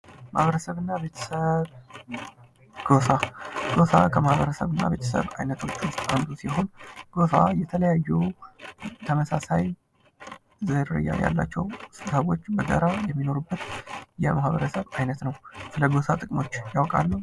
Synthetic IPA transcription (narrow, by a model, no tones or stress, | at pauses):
mahβəɾəsəβɨnːaβe̞t̪ʰəsəβ | ɡ̥osaɡ̥o̞sakʰəmahβəɾəsəβɨnːa̰be̞t̪ʰə̥sə̰βajnət̪ʰo̞t͡ʃːwʊst̪ʼand̪usiɦo̞nɡ̥o̞sajɛt̪ʰələjajːɛ | t̪ʰəməsasaj | zɨɾɨ̰ja̰ja̰lːa̰t͡ʃːɛwsəβo̞t͡ʃːbəɡə̰ɾajɛmːino̞ɾubːət̪jɛmahβəɾəsəβajnət̪nəwsɨləɡo̞sat̪ʼɨkʼmo̞t͡ʃːjawkʼalːəw